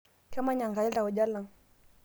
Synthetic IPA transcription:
ka˦ma˦ɲa˨ŋɡa˨i˦la˨u˨d͡ʒa˦la˨ŋ

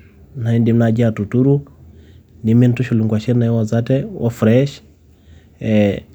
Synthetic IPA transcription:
na˨i˦ndi˨m̩nad͡ʒi˦atu˨tu˦ɾu˦ | ni˨mi˦n̩tu˦ʃu˨li˨ŋɡwa˨ʃi˦ɾna˨ɛ˦wa˨za˦tɛwʔɔ̰˦fɾɛʃ | ɛ

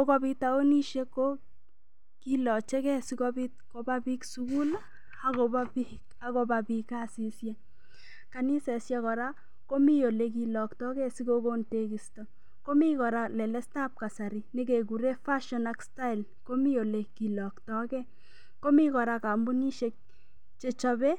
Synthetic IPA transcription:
ko˦kɔ˦bi˧ta˨o˦ni˦ʃe˦ko˦ | ki˦lɔ˨t͡ʃɛ˦kɛ˦si˦kɔ˦bi˦t̚ko˨ba˦pi˦ksuku˦la˦ | a˨ko˨ba˦pik | a˨ko˨pa˨pi˧ka˦si˨sjɛ˦ | ka˨ni˦sɛ˨sja˦kɔ˨ɾa˦ | ko˦mi˦jo˨le˦k̬i˨lɔ˨ktɔ˦kɛ˦si˦ko˦ko˦nte˦ki˨stɔ˨ | ko˦mi˦kɔ˨ɾa˨lɛ˨lɛ˦sta˦p̚ka˨sa˨ɾi˦ne˦k̬e˨k̬u˨ɾe˦fa˦ʃɔ˨na˦ksta˦ɪ˨l | ko˦mi˦jo˨le˨ki˨lɔ˨ktɔ˦kɛ˦ | ko˦mi˦kɔ˨ɾa˧ka˨mbu˦ni˦ʃek̚ | t͡ʃe˨t͡ʃɔ˧bɛ˦

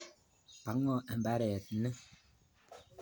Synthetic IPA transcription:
pa˨˦ŋɔ˦˨ɛ˨m˨ba˦ɾɛ˨t̩̚˦nɛ˦

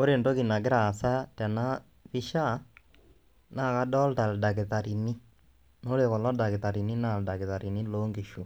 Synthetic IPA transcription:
o˦ɾe˨ndo˦ki˨na˨k̬ɪ˦ɾa˨sa˦tɛ˨na˦ | βi˦ʃa˦ | na˦˨ka˦dɔ˦lta˨lda˨kɪ˨ta˨ɾi˨ni˦ | no˦ɾe˨kɔ˨lɔ˦da˨kɪ˨ta˨ɾi˨ni˦na˦˨lda˨ke˨ða˨ɾi˨ni˦lo˦ŋɡi˨ʃo˨

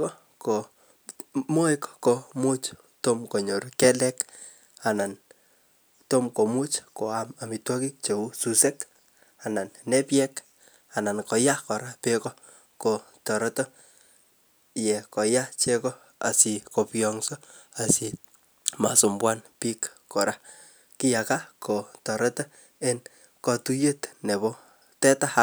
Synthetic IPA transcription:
kɔ˦ | ko˨ | mo˦i˦kːo˨mu˦t͡ʃ | to˦mko˨ɲo˨ɾkɛ˦lɛ˦k | a˨na˨n | to˦mko˨mu˦t͡ʃko˨ama˨mi˨twɔ˦ki˦k̚t͡ʃe˨u˦su˨sɛ˦k | a˨na˨nːɛ˦pjɛ˦k | a˨na˨nkɔ˨ja˦kɔ˨ɾa˦pe˦kɔ˦ | ko | tɔ˨ɾɔ˦tɔ˦ | jɛ˨kɔ˨ja˦t͡ʃe˦kɔ˦ | a̰˨si˨ko˨pjɔŋso˦a˨si˨ | ma̰˨so˨mbwa˦npi˦kːɔ˨ɾʔa˦ | ki˦ja˨ka˦kʰo˨tɔ˨ɾɔ˦tɔ˦ | e˦n | kɔ˨tu˦je˦tne˨bo˦ | tɛ˦ta˦ha˦

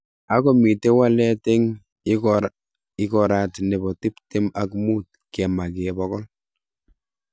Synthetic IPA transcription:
a˨kɔ˨mi˨te˦wa˦lɛ˦te˦ŋ | ɪ˦kɔ˨ɾatne˨bɔ˨ti˦pte˦ma˦kmu˦t̚ | kɛ˨ma˨ke˨bɔkɔ˦l

